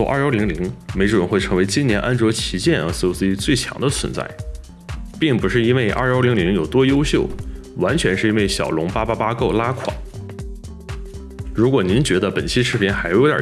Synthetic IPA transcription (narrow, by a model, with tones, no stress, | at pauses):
ɔ˥˧ʔa̰˥˧˩li˧˥ŋli˧˥ŋme˧˥ɪʈ͡ʂə˨˥nxwe˥˩ɪʈ͡ʂʰɤ˧˥ŋwe˧˥ɪt͡ɕi˥njɛ˧˥nʔa˥nʈ͡ʂwɔ˧˥t͡ɕʰi˧˥t͡ɕjɛ˥˩nə˧˥s̩˧o˧˥si˥t͡swe˥˩ɪt͡ɕʰjɑ̰˧˥ŋd̪ə˧t͡sʰwə̰˧˥nt͡sa̰˥˩ɪ | pi˥˩ŋpu˧˥ʂɻ̩˥˩i˥nwe˥˩ɪʔa̰˥˧˩ʊli˧˥ŋli˧˥ŋjo˨˩ʊt̪wɔ˥jo˥ʊɕjo˥˩ʊwa˧˥nt͡ɕʰɥɛ˧˥nʂɻ̩˥˩i˥nwe˥˩ɪɕjɑ̰˨˩ʊlʊ˧˥ŋpa˥pa˥pa˥ko˥˩ʊla˥kʰwa̰˨˩˦ | ɻu˧˥kwɔ˨˩ni˧˥nt͡ɕɥɛ˧˥d̪ə˧pə˨˩nt͡ɕʰi˥ʂʰɻ̩˥˩pʰi˧˥ŋxa˧˥ɪjo˧˥ʊd̪ʲə̰˞˨˩